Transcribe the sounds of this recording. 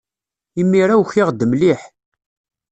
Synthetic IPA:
imːiɾæwçɪʁd̪əmliħ

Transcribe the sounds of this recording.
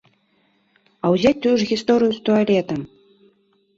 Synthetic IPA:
ɐwzʲat͡sʲt̪ujuʐɣʲist̪ɔɾɨjust̪ualʲɛt̪ɐm

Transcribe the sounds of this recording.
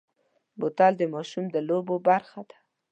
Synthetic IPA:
bot̪ɑld̪əmɑʃumd̪əlobobaɾxad̪̥ḁ

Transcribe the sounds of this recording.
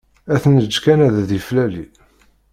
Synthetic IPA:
æθnəd͡ʒːkænæðæðiflæli

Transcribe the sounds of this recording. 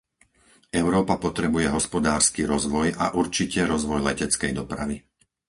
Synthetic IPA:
ʔɛʊɾɔːpapɔt̪ɾɛbujɛɦɔspɔd̪aːɾskiɾɔzʋɔjaʔuɾt͡ʃicɛɾɔzʋɔjlɛcɛt͡skɛjd̪ɔpɾa̰ʋi

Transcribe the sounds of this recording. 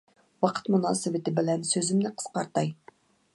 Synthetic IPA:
wɑqʰə̥t̪munɑːsɨwɪt̪ɪbɪlɛnsøzɪmnɪqʰə̥sqɑɾt̪ɑj

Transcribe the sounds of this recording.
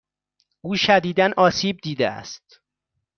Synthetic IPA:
ʔuːʃæd̪iːd̪ænʔɒːsiːb̚d̪iːd̪eæ̰st̪

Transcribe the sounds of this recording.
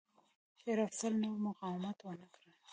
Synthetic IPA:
heɾafsalnowmʊqɑwɪmat̪wənəkɽə

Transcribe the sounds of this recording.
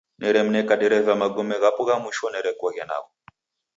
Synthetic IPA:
nɛɾɛm̩nɛkaɗɛɾɛvamaɡɔmɛɣapuɣamuʃɔnɛɾɛkɔɣɛna̰ɣɔ

